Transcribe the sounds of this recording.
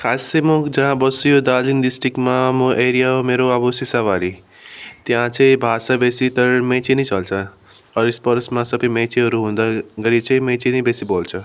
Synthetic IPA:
kʰasemõd͡ʒʌɦãbʌsujod̪alinɖisʈɾikmamõʔeɾijaɦomeɾoʌbosisaʋaɾi | t̪jãt͡sʰʌj̃bʱasabesit̪ʌɾmẽt͡ʃʰinit͡sʌlt͡sʰʌ | ʌɾispʌɾsmãsʌbʌmẽt͡ʃʰiɦʌɾuɦũd̪aɡʌɾijet͡sʰʌĩmẽt͡ʃinibesibolt͡sʰʌ

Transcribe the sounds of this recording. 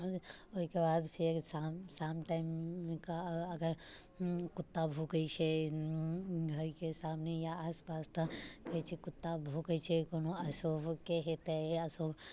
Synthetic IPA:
oɦikebad̪pʰeɾsasamʈaimːkaəɡəɾ | kut̪ːabʱukəɪt͡ʃʰɛ | ɦoikesamnejaːspast̪ə̃kəit͡ʃʰɛkut̪ːabʱukət͡ʃʰɛkonoəsobkeɦet̪əəsob

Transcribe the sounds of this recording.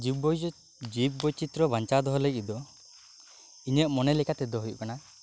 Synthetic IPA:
d͡ʒibɔ | d͡ʒip̚bɔt͡ʃit̪ɾɔbaɲt͡ʃad̪ɔɦɔlekid̪ɔ | iɲɛʔ̚mɔnɛlɛkat̪ɛd̪ɔɦujṵkana

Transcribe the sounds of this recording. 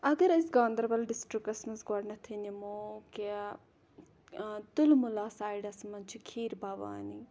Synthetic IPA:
ɐɡɐɾɐsɡãːnd̪əɾbɐlɖɪsʈɾikːɐsmɐsɡaɽnɐt̪ʰinimoke | t̪ʊlmʊlaːsaːiɖɐsmɐnt͡ʃʰikʰiːɾbaːʋa̰ːni

